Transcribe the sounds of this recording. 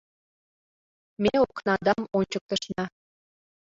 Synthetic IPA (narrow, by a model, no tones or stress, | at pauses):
mʲeoknɑd̪ɑmont͡ɕək̚t̪ɤ̆ʃnɑ